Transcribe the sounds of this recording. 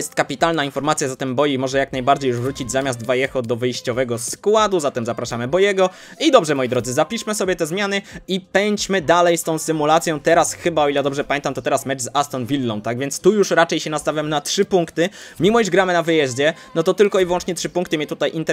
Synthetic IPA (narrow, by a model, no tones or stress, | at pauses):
jɛst̪kapʲit̪alnainfɔɾmat̪sʲjazat̪ɛmbɔjimɔʐɛjaknajbaɾd͡ʑejuʐvɾut͡ɕid͡ʑzamʲjazd̪vajɛxɔd̪ɔvɘjɕt͡ɕɔvɛɡɔskwad̪uzat̪ɛmzapɾaʂamɘbɔjɛɡɔ | id̪ɔbʐɛmɔjid̪ɾɔd̪zɘzapʲiʂmɘsɔbʲjɛt̪ɛzmʲjanɘipɛɲt͡ɕmɘd̪alɛjst̪ɔ̃w̃sɘmulat̪sʲjɔ̃t̪ɛɾasxɘbaɔilɛd̪ɔbʐɛpamʲɛnt̪amt̪ɔt̪ɛɾasmɛt͡ʂzast̪ɔnvʲilːɔ̃nt̪ːaɡvʲjɛnt̪st̪ujuʂɾat͡ʂɛjɕɛnast̪avʲjamnatʂɘpuŋkt̪ɘmʲimɔiʐɡɾamɘnavɘjɛʑd͡ʑɛnɔt̪ɔt̪ɘlkɔivwɔ̃nt͡ʂɲɛtʂɘpũŋkt̪ɘmʲjɛt̪ut̪ajʔint̪ɛ